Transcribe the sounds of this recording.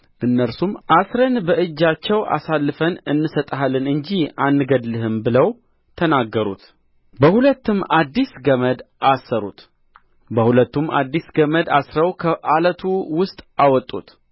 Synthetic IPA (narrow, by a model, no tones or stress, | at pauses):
ʔɨnːəɾsumasɾənbəʔɨd͡ʒːat͡ʃːɛwʔa̰salːɨfənɨnːɨsət̪ʼɦalːɨnɨɲd͡ʒihanːɨɡəd̪lɨɦɨmbɨləw | t̪ʰənaɡːəɾṵt̪ | bəhulət̪ːɨmad̪ːisɡəməd̪ʔasːəɾṵt̪ | bəhulət̪ːumʔa̰d̪ːisɡəməd̪asɾəwkʰəʔalət̪ʰuwʊst̪ʼawɔt̪ʼːṵt̪